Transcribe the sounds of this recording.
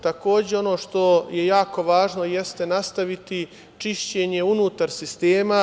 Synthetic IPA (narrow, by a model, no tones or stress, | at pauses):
t̪ako̞ːd͡ʑeo̞no̞ːʃt̪o̞je̞jaːko̞ʋaːʒno̞je̞st̪e̞nast̪aʋit̪i | t͡ʃiʃt͡ɕe̞ːɲe̞unuːt̪aɾsist̪eːma